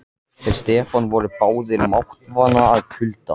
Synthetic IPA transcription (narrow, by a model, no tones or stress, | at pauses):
θɛɾ̥st̪ɛːfanvɔɾʏpaːwðɪɾmawht̪vaːnaːðkʰʏlt̪a